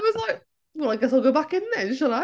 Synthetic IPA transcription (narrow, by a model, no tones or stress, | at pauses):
t̚wʌzlaɪk̚ | wɛlˠaɪɡɛs̬aɪlˠɡoʊbakɪ̃nɨ̃nʃəlaɪ